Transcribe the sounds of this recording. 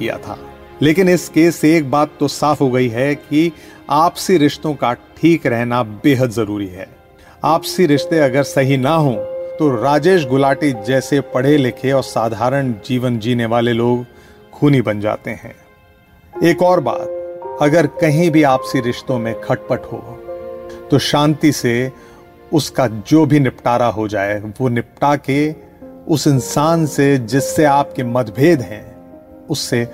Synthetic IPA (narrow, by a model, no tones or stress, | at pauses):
ija̰t̪ʰa̰ː | leːkɪnɪskeːseeːk̚baːt̪ːosaːfɦoɡɐiɦɛkiaːpsiɾɪʃt̪õkaʈʰiːkɾɛɦnabeːɦət̪zɐɾuːɾiɦɛ̰ː | aːpsiɾɪʃt̪eɐɡəɾsɐɦinaɦõt̪oɾaːd͡ʒeːʃ̬ɡʊlaːʈid͡ʒɛːsepɐɽ̤elɪkʰeɔːɾsaːd̪ʱaːɾəɽ̃d͡ʒiːʋənd͡ʒiːneʋaːleloːɡ | kʰuːnibɐ̃nd͡ʒa̰ːt̪eɦɛ̰̃ː | eːkɔːɾba̰ːd̪̚ɐɡəɾkɐɦĩbʱiaːpsiɾɪʃt̪õmẽkʰɐʈ̚pəʈɦo̰ː | t̪oʃãːnt̪ise | ʊskad͡ʒoːbʱinɪpʈaːɾaɦod͡ʒaːeʋonɪp̚ʈake | ʊsɪnsaːnsed͡ʒɪsːeaːp̚kemɐd̪bʱeːd̪ɦɛ̃ | ʊsːe